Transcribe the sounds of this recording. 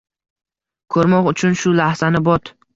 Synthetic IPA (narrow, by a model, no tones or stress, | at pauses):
kʰɵɾmɒqʊt͡ʃʰʊnʃʊlahz̥anɪbɒt̪